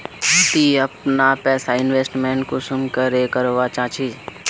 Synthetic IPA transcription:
ʊt̪iɐpnapɛːsaɪnʋeːsʈmeːɳʈkosʊmkəɾekəɾoʋat͡ʃãːt͡ʃʰi

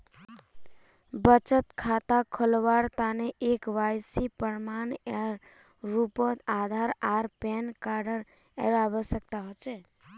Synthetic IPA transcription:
bət͡ʃət̪kʰat̪akʰəlwaɾt̪aneʔekʋajsipəɾmaneɾ | ɾupət̪ad̪ʱaɾaɾpɛnkaɾɖəɾ | eɾaβəsək̚t̪aɦot͡ʃʰɛ

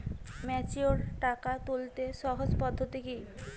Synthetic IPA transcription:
mɛt͡ɕioɾʈakat̪ult̪eʃɔɦod͡ʑpɔd̪ʱːot̪ikej

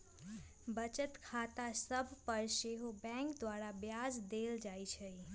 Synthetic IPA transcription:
bət͡ʃət̪kʰat̪asəbʱpəɾʃeɦobɛ̃kd̪ʋaɾabjad͡ʒd̪eld͡ʒajt͡ʃʰe

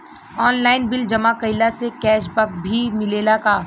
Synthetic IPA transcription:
ɔːnlaːɪnbɪld͡ʒɐmakɐɪlasekɛːʃbɐk̚bʱimɪleːlakaː

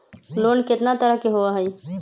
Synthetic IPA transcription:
loːnkɪt̪nat̪əɾəɦkeɦoaɦəj

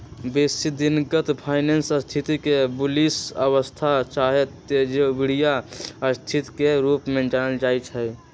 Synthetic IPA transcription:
besid̪inɡət̪pʰaːɪnensəst̪ʰit̪ikebulisəwəst̪ʰat͡ʃaɦet̪ː | ed͡ʒebiɽ̤ijaəst̪ʰit̪keɾuːpmẽd͡ʒanəld͡ʒaːit͡ʃʰɦɛj

